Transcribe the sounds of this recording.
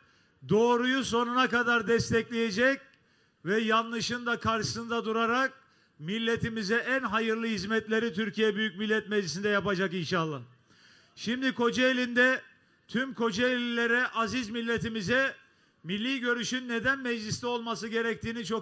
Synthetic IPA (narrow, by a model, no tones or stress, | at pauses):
d̪o̞ːɾujuso̞nunakad̪aɾd̪ɛst̪ʰɛclʲeje̞d͡ʒɛc̚ | vɛjanlˠɯʃɯnd̪akʰaɾʃɯ̥sɯnd̪ad̪uɾaɾak̚ | milʲːe̞t̪ʰimizɛʔænɦajɯɾlˠɯhizmɛt̪lʲe̞ɾit̪ʰyɾcijɛbyjyc̚milʲːɛt̪mɛd͡ʒlʲisind̪ɛjapad͡ʒakinʃalˠan | ʃimd̪ikʰo̞d͡ʒaelʲind̪ɛ | t̪ʰymkʰo̞d͡ʒaelʲilʲe̞ɾɛʔazizmilʲːe̞t̪imizɛ | milʲːiːɟø̞ɾyʃynːe̞d̪ænmɛd͡ʒlʲist̪ɛo̞lˠmasɯɟe̞ɾɛc̚t̪iːnit͡ʃʰo̞k